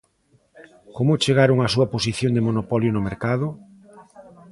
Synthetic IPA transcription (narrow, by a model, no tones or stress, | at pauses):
komʊt͡ʃeɣaɾoŋasuɐposiθjond̪emonopɔljonʊmeɾkaðʊ